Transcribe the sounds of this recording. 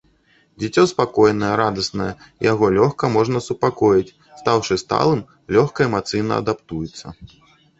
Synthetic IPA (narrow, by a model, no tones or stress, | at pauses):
d͡zʲit͡sʲɔspakɔjnɐjɛɾad̪ɐsnɐjɛ | ijaɣɔlʲɔxkɐmɔʐnɐsupakɔjit͡sʲ | st̪awʂɨst̪a̰lˠɨm | lʲɔxkɐɛmat̪sɨjnɐ̰ɐ̰d̪apt̪ujut̪sːɐ